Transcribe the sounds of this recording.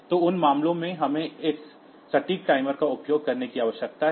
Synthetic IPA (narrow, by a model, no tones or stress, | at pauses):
t̪oːʊnmaːmlõmẽɦɐmẽɪsː | ɐʈiːk̚ʈaːɪməɾkaʊpjoːɡ̚kɐɾnekiaːʋəʃjək̚t̪aɦ